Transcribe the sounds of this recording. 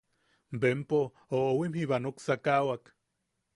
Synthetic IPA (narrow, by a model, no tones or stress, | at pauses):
mbempo | oowimhiβanoksakawak